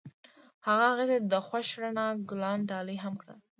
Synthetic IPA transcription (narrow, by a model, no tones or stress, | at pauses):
haɣahaɣet̪ed̪əxwaʃɽanaɡʊlɑnɖɑləjɦamkɽə̰l